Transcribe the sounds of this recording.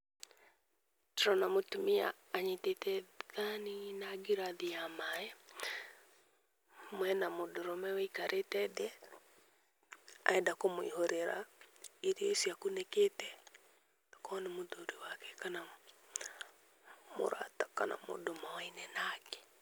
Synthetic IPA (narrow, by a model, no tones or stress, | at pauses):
tɾɔnamotumia̰ː | ɲetetɛðaninaɡiɾaðiamajɛ | mwɛnamodoɾɔmɛwɛikaɾʔetɛdɛ | a̰ɛndakomoḭhoɾeɾa̰eɾiesiakuneketɛ | kɔnemoðoɾiwakɛ̥kana | mo̰ɾa̰takana̰mo̰domawainɛnakɛ̥